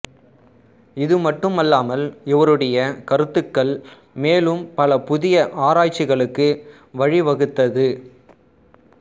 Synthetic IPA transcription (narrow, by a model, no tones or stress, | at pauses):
ɪðɯmɐʈːɯmɐlːaːmɐlɪʋɐɾɯɽɐjɐkɐɾɯt̪ːɯkːɐɭ | meːlɯmpɐlɐpʊðɪjɐʔaːɾaːt͡ʃːɪɣɐɭɯkːɯ | ʋɐɻɪʋɐɣɯt̪ːɐðɯ